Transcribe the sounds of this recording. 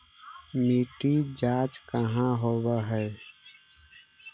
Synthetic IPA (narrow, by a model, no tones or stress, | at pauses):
miʈid͡ʒaːt͡ʃkəɦãɦoːwəɦɛ